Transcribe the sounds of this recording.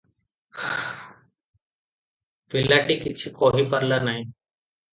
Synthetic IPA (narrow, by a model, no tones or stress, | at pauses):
ʋɪlːaːʈiːkɪt͡ʃʰikoːɦiːpəɾlanaɦĩː